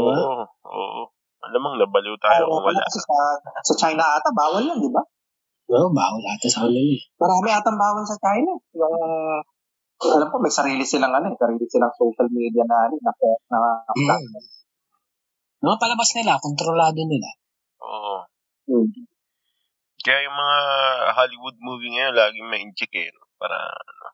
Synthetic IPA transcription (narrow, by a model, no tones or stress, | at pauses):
aʔo̰ːʔo | ʔɐlamɐŋnɐbɐliwt̪aajoaɐla̰kɐsɛsɐsɐt͡ʃajnɐʔaːt̪ɐbaːwɐlːad̪ɪba | oba̰ːwɐlʔaːt̪ɐsɐkɐnɪlɪmɐɾaːmɪʔaːt̪ɐmbaːwɐnsɐt͡ʃajnɐjʊŋ | ɐlamkomɐjsɐɾiːlɪsɪlaŋɐnosɐɾiːlɪsɪlaŋsowʃɐlmid̪ijɐnanɪnːɐkot̚nɐlaɐ | mɐŋapɐlɐbasnɪlakont̪ɾolaːd̪onɪla̰ | ʔo̰ːʔʔo | kɐjajʊŋmɐŋahalɪwʊd̪̚muːviŋɐjonlaːɡɪŋmɐʔɪnt͡ʃɛkɛ̰nopa̰ːɾɐ̰ɐno̰